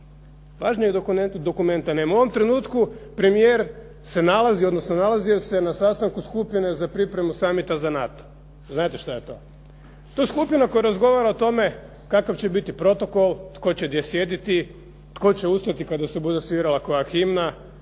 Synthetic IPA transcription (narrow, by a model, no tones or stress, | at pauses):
ʋaʒnɲeɡd̪o̞kume̞nt̪anemuoʋo̞mt̪ɾe̞nuːt̪kupɾe̞mijeɾ | se̞nalazio̞d̪nosnonalˠazijo̞se̞nasast̪aŋkuskupine̞zapɾipɾe̞musamit̪azanat̪o̥ | znaːt̪eʃt̪aje̞t̪o̞̰ | t̪o̞jeskupinako̞jaɾazɡo̞ʋaɾaot̪o̞me̞ | kakaʋt͡ɕe̞bit̪ipɾo̞t̪o̞ko̞lˠt̪ko̞t͡ɕe̞d̪jesjed̪it̪i | t̪ko̞t͡ɕe̞ust̪at̪ikad̪asebud̪esʋiɾalako̞jaximna